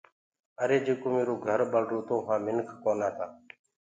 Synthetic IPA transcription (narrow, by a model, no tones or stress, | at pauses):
əɾeːd͡ʒeːkoːmeːɾoːɡʱəɾɓəlɖoːt̪õːɦãːmɪnkʰkoːnaːt̪aː